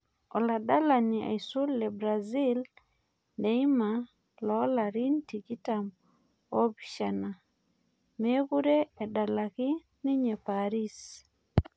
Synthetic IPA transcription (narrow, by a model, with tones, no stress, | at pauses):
ɔ˨la˨da˦la˨ni˨a̰˨isu˦lɛ˨bɾa˨zi˦l | nde˨i˦ma˨ | lɔ˨˦la˨ɾi˦nti˨ki˦ta˨m | o˦bi˨ʃa˨na˨ | me˦ku˦ɾeː˦˨da˨la˨kɪ˦ | nɪ˦ɲɛ˨paɾi˦s